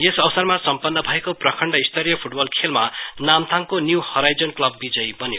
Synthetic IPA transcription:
jesʌwsʌrmasʌmpʌnːʌbʱʌekoprʌkʰʌɳɖʌist̪ʌɾjʌpʰuʈ̚bʌlkʰelmanamt̪ʰaŋkonjuhʌɾajd͡zʌnklʌbːid͡zʌjbʌnjeo

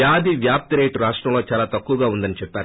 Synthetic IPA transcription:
jaːd̪ʱiʋjaːp̚t̪iɾejʈɾaːʂʈɾɐ̃mlo̞ːt͡ʃaːlaːt̪ɐkːuʋɐɡaːund̪ɐnit͡ʃɛpːaːɾu

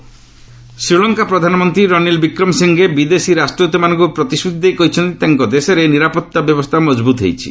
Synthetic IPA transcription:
sɾiɭɔŋkapɾɔd̪ʱanɔmɔnt̪ɾiɾɔnilbikɾɔmsiŋɡebid̪esiɾasʈɾɔt̪ɔmanɔŋkɔpɾɔt̪isut̪ʰd̪ejkoɦit͡ʃʰɔnt̪it̪eŋkɔd̪esɔɾeniɾapɔt̪ːabjɔbɔst̪ʰamɔd͡ʒbut̪ɦḛjt͡ʃʰḭ

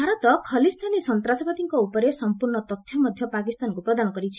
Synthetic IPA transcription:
bʱaɾɔt̪ɔkʰʌlist̪ʰanisɔnt̪ɾasɔpat̪iŋkɔupɔɾesɔmpurnɔt̪ɔt̪ʰjɔmʌd̪ʱjʌpakist̪ankupɾɔd̪anɔkɔɾit͡ʃʰ

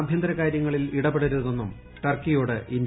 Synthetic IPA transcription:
bʱjɐnd̪ɐɾɐkaːɾjɐŋːɐɭiliɽɐpeɽɐɾuðɐðo̞nːum | ʈɐrkijoːɽɨʔin

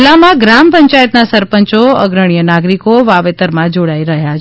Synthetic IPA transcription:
lamãɡɾampəɲt͡ʃajət̪̚nasəɾpəɲt͡ʃoə̰ɡɾəɽ̃ijənaɡɾikoʋaʋet̪əɾmãd͡ʒoɽaiɾəɦjat͡ʃ

